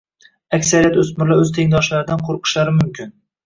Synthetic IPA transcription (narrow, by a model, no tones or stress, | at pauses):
akʲsaɾijat̪ɵsmɪɾlaɵzt̪ʰeŋd̪ɒʃlaɾɪd̪anqʰoɾqʰɨ̥ʃlaɾɪmʊmkʲʰɪn